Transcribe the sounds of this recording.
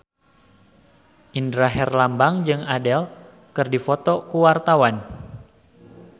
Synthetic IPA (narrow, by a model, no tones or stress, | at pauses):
ʔindɾaɦɛrlambaŋd͡ʒɨŋadɛl | kɨrdifɔt̪ɔkuwart̪awan